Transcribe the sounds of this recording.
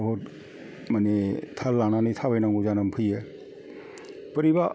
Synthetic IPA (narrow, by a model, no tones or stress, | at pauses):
ɦot | manet̪ʰalananit̪ʰabajnaŋɡuzanampʰɯjɛ | pəɾiba